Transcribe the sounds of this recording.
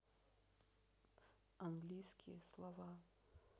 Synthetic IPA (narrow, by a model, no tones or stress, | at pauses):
anɡlʲijskʲijɛslˠɐva